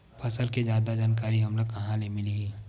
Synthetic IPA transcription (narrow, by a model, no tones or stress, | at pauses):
pʰɐsəlked͡ʒjaːd̪ad͡ʒaːnk̬aːɾiɦɐmlokɐɦãlemɪli